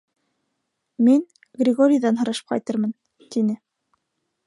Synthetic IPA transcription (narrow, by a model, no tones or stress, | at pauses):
min | ɡrʲɪɡoɾʲɪjðɑnɦɤ̆ɾɤʃɤ̥p̚qɑ̰jt̪ɤɾmɤn | t̪inɘ